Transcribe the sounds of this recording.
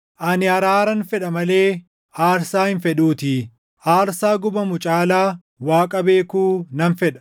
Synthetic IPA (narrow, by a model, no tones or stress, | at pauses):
ʔɐnɪɐɾaːɾɐnfɛᶑɐmɐle̞ː | ʔaːɾsaːhɪnfɛᶑuːt̪ɪ | ʔaːɾsaːɡʊbɐmʊt͡ʃʼaːlaː | waːkʼɐbe̞ːkuːnɐnfɛᶑɐ̥